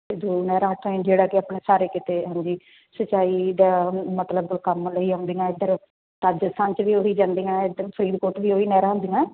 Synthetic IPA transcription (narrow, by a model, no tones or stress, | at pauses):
ed̪uːnɛːɾãːəʈʰːõĩd͡ʒeːɽaːkɪaːpɳeːsaːɾeːkɪt̪eːɦãːɲd͡ʒiː | sət͡ʃːaːiːd̪aːmət̪ləbkəmləiːɦə̃ːnd̪iːãːɪd̪əɾ | t̪aːd͡ʒəst̪ʰaːnt͡ʃʋiːoːɦiːd͡ʒãːnd̪iːãːd̪pʰəɾiːd̪koːɾʈʋiːoːiːnɛːɾãːɦʊ̃ːnd̪iːã